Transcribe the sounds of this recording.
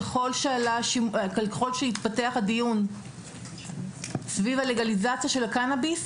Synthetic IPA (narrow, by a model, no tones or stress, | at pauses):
χolʃealaʃimklχo̞lʃehit̪pateaχadijun | svivale̞ɡalizat͡sijaʃe̞lakanabis